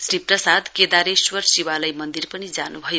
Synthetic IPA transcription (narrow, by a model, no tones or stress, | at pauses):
sriprʌsad̪ked̪aɾeswʌrsiwalajmʌnd̪irpʌnid͡zanubʱʌjo